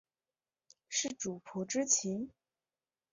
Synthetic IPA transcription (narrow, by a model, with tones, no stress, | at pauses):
ʂɻ̩˥˩ʈ͡ʂu˨˩pʰu˧˥ʈ͡ʂɻ̩˥t͡ɕʰi˧˥n